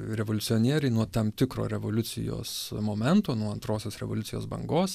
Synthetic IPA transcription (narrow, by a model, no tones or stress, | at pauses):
ɾʲɛʋoːlʲʊsʲɪoːnʲiɛɾʲɛɪnuɔt̪ɐmt̪ʲɪkɾo̰ːɾʲɛʋoːlʲʊsʲɪ̰jo̰ːsmoːmʲɛnt̪oːnuɔɐnt̪ɾoːsʲoːsɾʲɛʋoːlʲʊtsʲɪjo̰ːsbɐ̰ŋɡoːs